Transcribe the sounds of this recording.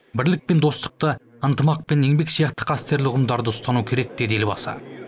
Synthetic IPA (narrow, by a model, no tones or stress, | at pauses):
bɪɾlɪk̚pe̞nd̪o̞st̪ə̥q̚t̪ə | ənt̪əmɑq̚pe̞ne̞ŋbe̞ksijɑqt̪ə̥qʰɑst̪e̞ɾlɪʊʁəmd̪ɑɾd̪əʊst̪ɑnukʲʰe̞ɾe̞k̚d̪e̞d̪e̞lbɑ̰sɑ̰